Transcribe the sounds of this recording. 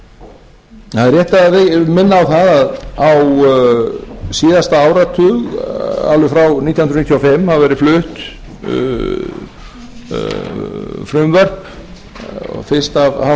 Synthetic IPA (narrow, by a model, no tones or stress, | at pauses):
haðɛɾrjɛht̪avɪmɪnːaːwθaðaðaw | siːðast̪aaːwɾat̪ʰʏɣa̰lʏfɾawnit̪jahʏnɾniːt̪ʰjafɪmhavvɛːɾɪflʏht̪ | fɾʏmvɛr̥p | fɪ̥st̪avha